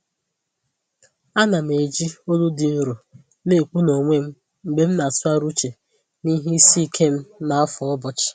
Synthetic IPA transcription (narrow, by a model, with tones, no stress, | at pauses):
a˦na˨m̩˨e˨d͡ʒi˦o˦lu˦di˨n̩˦ɾu˨ | ne˦˨k͡pu˦no˨ŋʷe˦m̩˦ | m̩˨ɡ͡be˦m̩˦na˨sʊ˦a˦ɾu˦t͡ʃe˨ | ni˦ɦe˦i˦si˦i˨kʰe˦m̩˦na˨a˦fɔ˨ɔ˦bɔ˦t͡ʃɪ̥˨